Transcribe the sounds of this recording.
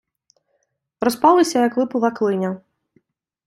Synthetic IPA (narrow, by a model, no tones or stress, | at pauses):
ɾɔspɑlˠɪsʲɐjɐkʋˠɪpʊlˠɑklˠɪnʲɐ